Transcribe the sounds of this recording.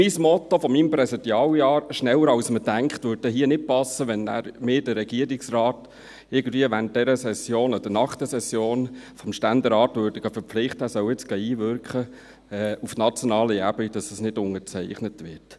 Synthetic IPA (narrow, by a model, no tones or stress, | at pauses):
mismɔt̪ofɔmiːmpɾɛsitjɑːwjɑːɾʃnɛwəɾɑwsməd̥æŋkχt̪ʋøːɾt̚dɛɦiənɪt̚pɑsəʋɛnːæ̰ɾmɪːd̥əːɛɡ̥iəɾiksrɑːt | ɪɾɡən̩d̥viəʋænd̥ɛɾəsɛsjoːnɔd̥ənɑχt̪əsɛsjoːnfɔmʃtændɛɾɑːtʋøːɾdəɡɑfəɾflɪχtəæsœwɪt͡sɡ̥ɑiːʋʏɾkχə | ɛufnɑt͡sjonɑːləæbɪd̥ɑsəsnɪdʊŋət͡sɛɪχnətʋɪɾt